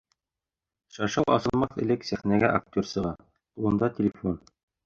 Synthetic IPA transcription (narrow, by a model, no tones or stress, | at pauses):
ʃɑʃɑwˠɑ̰sɤ̆lˠmɑθɘ̆lɘksæχnæɡæʔak̚tʲorsɤ̆ʁɑ | ulˠɤ̆nd̪ɑt̪ʲɪlʲɪfon